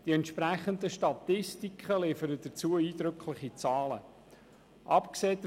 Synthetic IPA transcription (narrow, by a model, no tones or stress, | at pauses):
d̥iɛntʃpɾæχənd̪əʃtɑt̪ɪstikχəlɪfəɾəd̥ət͡suəiːd̪ɾɵkʰlɪχit͡sɑːlə̰ | ʔɑpkseːt